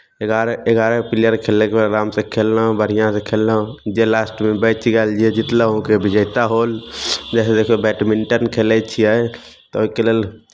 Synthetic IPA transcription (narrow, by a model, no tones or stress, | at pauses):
eɡaɾeɡaːɾɛpɪlijəɾkʰeːlːekepɾoɡaːmsekʰeːlnabʱəɽ̤ijãsekʰeːlnd͡ʒelaːsʈmẽbəɪt͡ʃɡəld͡ʒiɛd͡ʒɪt̪ləɦõkebʱɪd͡ʒəɪt̪aɦoːld͡ʒɛːsed̪eːkʰubɛːʈmɪɳʈənkʰelɛt͡ʃʰiɛ | t̪ɔoikeleːl